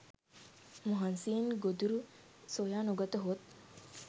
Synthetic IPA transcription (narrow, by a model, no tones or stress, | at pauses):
muɦansiːnɡod̪uɾu | sojaːnuɡɐt̪əɦot̪̚